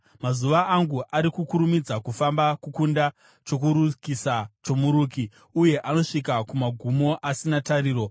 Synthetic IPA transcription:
mazuʋaʔːŋɡuʔaɾikukuɾumid͡zakufambakukunda | t͡ʃo̞k̬uɾukisat͡ʃo̞muɾuːki | uje̞ʔano̞ʂikakumaɡʱumo̞ʔasinataɾiːɾo̞

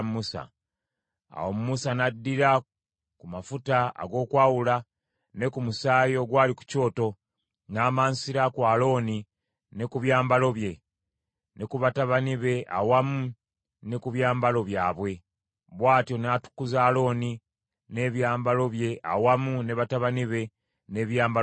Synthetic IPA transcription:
mmusa̰ | a̰womumusanadːiɾa | kumafuta̰ːɡo̞ːkwaːwula | ne̞kumusaːjo̞ɡwaːliku̥co̞ːto̞ | naːmaːnsiɾakwaːlo̞ːni | ne̞kuβjaːmbalo̞βje̞ | ne̞kuβataβaniβe̞ʔa̰wamu | ne̞kuβjaːmbalo̞βjaːβwe̞ | βwaːtjo̞naːtu̥kːuzaːlo̞ːni | ne̞ːβjaːmbalo̞βje̞ʔa̰wamune̞βataβaniβe̞ | ne̞ːβjaːmba

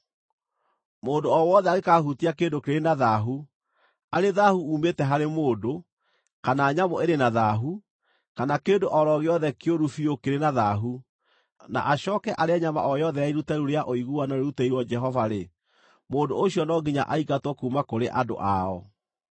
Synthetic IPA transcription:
moːdoɔwɔðɛaɣekahutiakeːndokeɾenaðaɦu | aɾeðahuːmetɛɦaɾemoːdo | kanaːɲamɔeɾenaðaɦu | kanakeːdoʔɔɾɔɣeɔðɛkeoɾufiokeɾenaðaɦu | na̰ʔaɕɔːkɛʔaɾeaɲama̰ʔɔjɔðɛaiɾutaɾuɾeaʔoiɣuanaɾeɾutaiɾwɔd͡ʒɛɦɔvaɾe | moːdo̰oɕijɔnɔɡiɲa̰ʔaikatwɔkumakoɾeʔado̰ʔaɔ

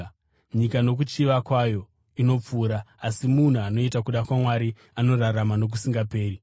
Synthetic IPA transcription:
ɲikano̞k̬ut͡ʃiʋakwajo̞ | ino̞p͡fuːɾaːsimun̤uano̞itakuɗakwamwaɾi | ano̞raramano̞k̬usiŋɡape̞ːɾi

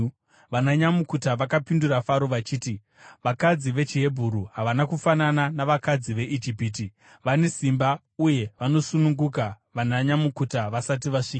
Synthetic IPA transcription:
ʋanaɲamukutaʋakapindurafaɾo̞ʋat͡ʃiːti | ʋakad͡ziʋe̞t͡ʃiɦe̞bʱuɾuɦaʋanakufanananaʋakad͡ziʋe̞ʔid͡ʒipiːti | ʋane̞simba | uje̞ʋano̞sunuŋɡuk̬a | ʋanaɲamukutaʋasat̬iʋaʂika

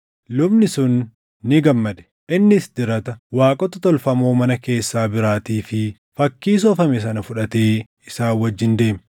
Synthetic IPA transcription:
lʊbnɪsʊnː | ɪɡɐmːɐd̪ɛ̥ | ʔɪnːɪsd̪ɪɾɐt̪ɐwaːkʼɔt̪ɐt̪ɔlfɐmo̞ːmɐnɐke̞ːsːaːbɪɾaːt̪iːfɪ | fɐkːiːs̬ɔfɐmɛs̬ɐnɐfʊᶑɐt̪e̞ː | ɪsaːwɐd͡ʒːɪnd̪e̞ːm

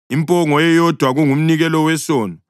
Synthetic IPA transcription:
impʼɔŋɔjɛjɔd̥ʱwaɣuŋum̩niɣɛlɔwɛsɔːnɔ

